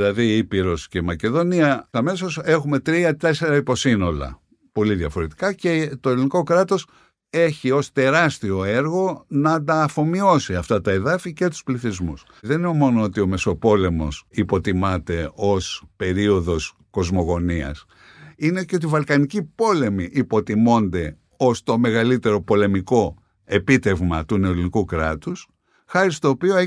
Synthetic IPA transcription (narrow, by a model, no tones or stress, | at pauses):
ilɐðiipiɾo̞sce̞mɐce̞ðo̞niɐɐme̞so̞se̞xume̞t̪ɾiɐt̪e̞se̞ɾɐipo̞sino̞lɐ̰ | po̞liðjɐfo̞ɾe̞t̪i̥kɐce̞t̪o̞eliniko̞kɾɐt̪o̞s | e̞çio̞st̪e̞ɾɐst̪io̞e̞ɾɣo̞nɐd̪ɐːfo̞mio̞siɐft̪ɐt̪ɐe̞ðɐfice̞t̪u̥spliθizmṵs | ðe̞niomo̞noot̪io̞me̞so̞po̞le̞mo̞̰sipo̞t̪imɐt̪e̞o̞spe̞ɾio̞ðo̞s | ko̞zmo̞ɣo̞niɐ̰s | ineceo̞t̪̬ivɐlkɐnicipo̞le̞miʔipo̞t̪imo̞nd̪e̞ | o̞st̪o̞me̞ɣɐlit̪e̞ɾo̞po̞le̞miko̞ | e̞pit̪e̞vmɐt̪une̞olinikukɾɐt̪us | xɐɾist̪o̞ːpioe